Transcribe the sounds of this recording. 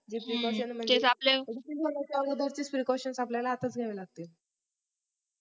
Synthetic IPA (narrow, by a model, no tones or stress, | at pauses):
d͡ʑipɾikɔɕənmək̪esapleit̪ikonat͡ɕɔɡəd̪əɾt͡ɕiːt͡spɾikɔɕənsapljalaːt̪ət͡sɡʱeʋelaɡ̚t̪e